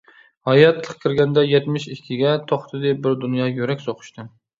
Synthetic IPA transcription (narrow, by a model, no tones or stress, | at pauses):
hɑjɑt̪ʰlˠəqkʲʰɪɾɡʲɛnd̪ɛjɛt̪mɪʃikʲʰɪɡʲɛt̪ʰoχt̪ʰɨd̪ɨbɪɾd̪unjɑjøɾɛkʲsoqʰʊ̥ʃt̪ɨ